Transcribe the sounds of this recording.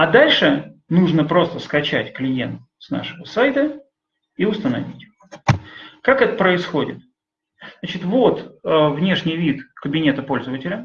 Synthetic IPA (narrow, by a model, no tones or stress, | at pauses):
ad̪alʲʂɨnuʐnəpɾo̞st̪əskɐt͡ɕætʲklʲɪje̞nt̪ | sna̰ʂɨvəsajt̪ə | iʊst̪ənɐ̰vʲitʲ | kakɛt̪ə̥pɾəɪsxo̞dʲɪ̰t̪ | nat͡ɕɪt̪vo̞t̪əvnʲe̞ʂnʲɪjvʲit̪kəbʲɪnʲe̞t̪əpo̞lʲzəvətʲɪlʲə